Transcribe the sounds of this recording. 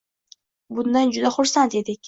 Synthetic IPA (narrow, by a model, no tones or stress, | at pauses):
bʊnd̪and͡ʒʊd̪aχʊɾsant̪e̞d̪ɪkʲ